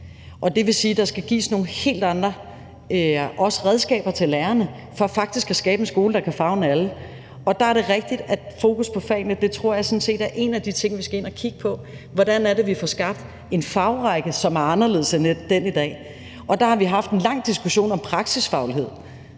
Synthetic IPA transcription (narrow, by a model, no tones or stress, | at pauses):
ʔɒ̽d̥e̝ʋe̝siːd̥ɑ̈sɡ̥æɡ̥ḭːsno̝ːn̩he̝̰ːld̥ɑ̈nd̥ʁɐ | øʔɒ̽sə̥ʁɛðˠsɡ̥ɛ̰ːb̥ɐt͡sʰe̝læːɐnə | fɒ̽æfɑ̈ɡ̥d̥isɡ̥æsɡ̥ɛːb̥ensɡ̥o̝ːləd̥ɑ̈kʰæfɑ̈ʊnælə | ɒ̽d̥ɑ̈æɐɾe̝ʁɛɡ̥̚d̥id̥æ̥fo̝ːkʰuspʰɒ̽fɛ̰ːnəd̥e̝t͡sʰʁo̝ɐ̰jɑ̈ɪsɒ̽nse̝̰ːd̥æɐʔe̝næd̥it͡sʰe̝ŋ̰ʋisɡ̥æe̝n̰ækʰiɡ̥ə̥pʰɒ̽ | ʋɒd̥ænæɐɾe̝ʋifɒsɡ̥ɑ̈b̥̚d̥ | e̝nfɑ̈ʊʁɑɡ̥əsɒ̽mæɐɑ̈nɐle̝ð̰ˠsened̥en̰id̥ɛ̰ː | ɒ̽d̥ɑ̈hɑ̈ʋiɦɑ̈fd̥e̝nlɑ̈ŋ̰d̥isɡ̥uɕo̝̰ːnɒ̽mpʰʁɑ̈ɡ̥sisfɑ̈ʊlɦe̝ð̞̰ˠ